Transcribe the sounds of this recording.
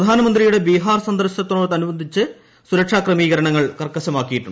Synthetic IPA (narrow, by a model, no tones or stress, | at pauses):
ɐd̪ʱaːnɐmɐnd̪rijuɽe̞biɦaːrsɐnd̪ɐrɕɐt̪ːonːoːt̪ːɐnubɐnd̪ʱit͡ɕːɨ | suɾɐkʂaːkrɐmiːɣɐɾɐɳɐŋːɐɭkɐrkːɐɕɐmaːkːijiʈːuɳːɖ